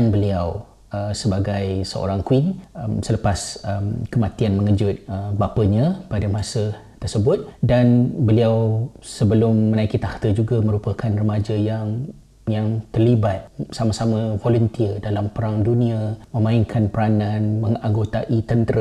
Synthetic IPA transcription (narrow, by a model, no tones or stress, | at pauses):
nbəliaw | əsəbaɡajsəo̰ɾaŋkwinmsələpasəmkəmãt̪ianməŋəd͡ʒʊt̪̚əbapəɲãpadamãsə | t̪ərsəbʊt̪̚danbəliawsəbəlʊmːə̃naikit̪aht̪əd͡ʒuɡamə̃ɾupəkanrəmad͡ʒajaŋ | jaŋt̪ərlibat̪̚samasamə̃volunt̪iədalampəɾaŋdunĩamə̃mãiŋkʰanpəɾanãnməŋaŋɡot̪aʔit̪ənt̪əɾə